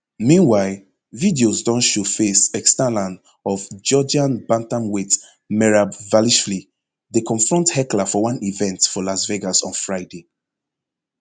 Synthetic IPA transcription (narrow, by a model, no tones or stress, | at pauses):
mĩnwaɪl | vidiozdɔ̃nʃu̥fesɛkstalãnd | ɔvd͡ʒɔd͡ʒãnbãntãmwet | mɛɹabvaliʃfli | dekʰɔ̃ɱfɹɔ̃nthɛklafɔwãnivɛ̃ntfɔlasveɡasɔ̃nfɹaɪde